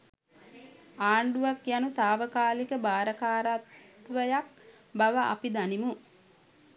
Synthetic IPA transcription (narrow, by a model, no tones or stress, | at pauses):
aːɳɖuʋakjanut̪aːʋəkaːlikəbaːɾəkaːɾat̪ʋəjak̚ | baʋaʔa̰pid̪animu